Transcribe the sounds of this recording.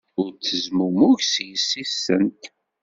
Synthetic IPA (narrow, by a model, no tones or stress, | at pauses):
ʊɾt͡sːəzmumʊʝsjəsːisːənt̪